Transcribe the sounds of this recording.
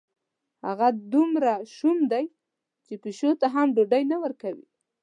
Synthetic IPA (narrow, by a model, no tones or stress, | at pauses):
ha̰ɣad̪umɾaʃumd̪aj | t͡ʃepeʃot̪aɦamɖoɖajnawəɾkawḭ